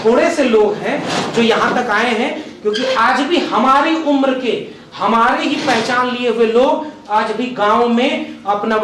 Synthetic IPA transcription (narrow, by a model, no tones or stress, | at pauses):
t̪ʰoːɽeseloːɡɦɛ̃d͡ʒoːjɐɦãt̪ɐkaːẽɦɛ̃kjõːkiaːd͡ʒbʱihɐmaːɾeʔʊmɾke | hɐmaːɾeɦipɛɦt͡ʃaːnlieɦʊeloːɡ | aːd͡ʒbʱiɡãːʊ̃mẽɐpna